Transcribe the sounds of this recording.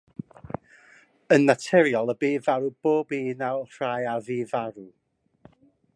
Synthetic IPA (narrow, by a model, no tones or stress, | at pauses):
ənːatʰɛɾjɔlˠəbiːvaɾub̥oːbinawr̥ajaviːvaɾu